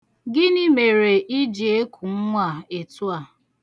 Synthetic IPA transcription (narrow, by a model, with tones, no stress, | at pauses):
ɡɪ˦ni˦me˨ɾe˨ʔi˦d͡ʒi˨e˦kʰu˨ŋ̩˦ŋʷa˨e˨tu˦a˨